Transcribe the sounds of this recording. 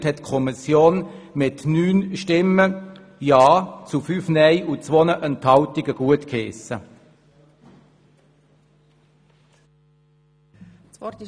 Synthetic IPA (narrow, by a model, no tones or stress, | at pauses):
thɛtːkʰɔmisjoːn | mɪtnyːnʃtɪmə | jɑːt͡sufyːfnɛɪʔut͡sʋonəʔənthɑltɪɡ̥əɡ̥uətkeːsə